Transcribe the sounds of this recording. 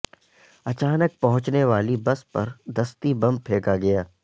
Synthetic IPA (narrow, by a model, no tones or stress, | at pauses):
ɐt͡ʃaːnək̚pɐɦʊ̃t͡ʃneʋaːlibɐspɐɾd̪ɐst̪ibɐ̃mb̚pʰeːkaɡɐjaː